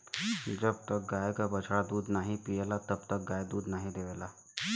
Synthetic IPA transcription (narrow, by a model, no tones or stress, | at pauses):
d͡ʒəb̚t̪ək̚ɡajkabət͡ʃʰɽad̪uːd̪naɦipijelat̪əb̚t̪ək̚ɡajd̪uːd̪naɦid̪eʋela